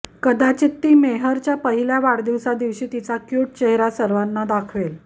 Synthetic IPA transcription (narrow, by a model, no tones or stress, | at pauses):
kəd̪at͡ɕit̪ːiːmeɦəɾt͡ɕjapəɦiljaʋaɽd̪iʋsad̪iʋɕiːt̪it͡sakjuʈ̚t͡ɕeɦɾasəɾʋanːad̪akʰʋel